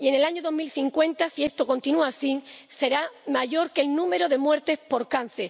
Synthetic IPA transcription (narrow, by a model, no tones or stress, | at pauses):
ie̞ne̞laɲoðo̞ɦmilθiŋkwẽ̞nt̪asie̞st̪oko̞nt̪inuasiŋse̞ɾamaʝo̞ɾkelnũme̞ɾo̞ðe̞mwe̞ɾt̪e̞spo̞ɾkan̟θeɾ